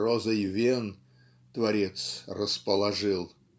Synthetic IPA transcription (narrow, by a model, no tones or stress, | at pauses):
rozəjvʲen | t̪vɐɾʲet̪srəspəlˠɐʐɨlˠ